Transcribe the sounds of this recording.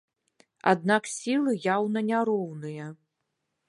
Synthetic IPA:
a̰d̪naksʲilˠɨjawnɐnʲaɾɔwnɨjɐ

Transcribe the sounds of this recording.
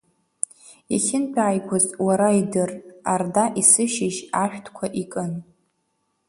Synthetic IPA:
aχʲɪnpʰaːjkʷʰozʼwaɾaidɨrardaʔisɨʃɪʒaʃᶣtʰkʷʰaʔikʼɨn

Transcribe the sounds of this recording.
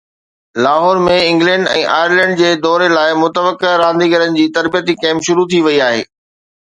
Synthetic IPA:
laːɦɔːɾmẽɪ̃ŋɡlɛ̃ːɳɖɛ̰̃ːʔa̰ːjəɾlɛ̃ːɳɖd͡ʑeːd̪ɔːɾelaːɪmʊt̪əʋəkeɾãːnd̪iɡɐɾənɪ̆d͡ʑiːt̪ɐɾbijət̪ikɛ̃ːmpʃʊɾut̪ʰiʋɐiaːɦḛː

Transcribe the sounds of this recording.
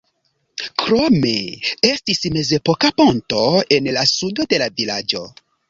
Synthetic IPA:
kɾome̞estisme̞ze̞pokaponto̞e̞nlasudo̞de̞lavilad͡ʒo̞̰

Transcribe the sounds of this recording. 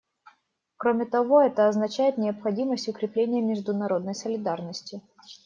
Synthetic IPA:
kɾomʲɪt̪ɐvo̞ɛt̪əɐznɐt͡ɕæjɪt̪nʲɪɐpxɐdʲiməsʲtʲʊkɾʲɪplʲenʲɪjəmʲɪʐd̪ʊnɐɾo̞d̪nəjsəlʲɪd̪arnəsʲtʲɪ

